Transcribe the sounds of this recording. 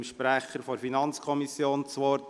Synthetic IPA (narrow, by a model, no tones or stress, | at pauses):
mʃpɾæχːəɾfɔɾfinɑnt͡skʰɔmisjoːnt͡sʋɔɾt